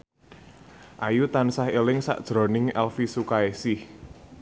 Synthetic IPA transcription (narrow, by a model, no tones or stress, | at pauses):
ʔajut̪ansahelɪŋsa̰ʔd̥ʒ̥ɾɔ̤nɪŋɛlfisukaesɪh